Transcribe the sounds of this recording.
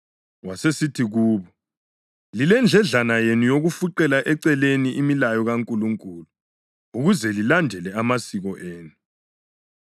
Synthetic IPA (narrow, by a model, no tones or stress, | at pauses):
wasesitʰiɣuːβɔ | lilɛnd͡ɮʱɛɮanajenujoɣufuǀɛlaʔɛǀɛleniʔimilajɔɣaŋkʼuluŋkʼuːlu | uɣuzɛlilandʱɛlɛamasiɣɔʔeːnu